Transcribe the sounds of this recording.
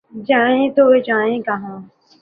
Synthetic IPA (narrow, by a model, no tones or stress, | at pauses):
d͡ʒaːẽːt̪oːed͡ʒaːẽːkəɦãː